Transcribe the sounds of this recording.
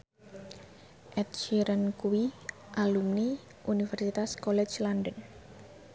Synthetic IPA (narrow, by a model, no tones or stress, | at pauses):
ʔɛt̪̚t͡ʃiɾənkuwi | ʔalumni | ʔunifɛrsit̪askɔlɛt͡ʃlandən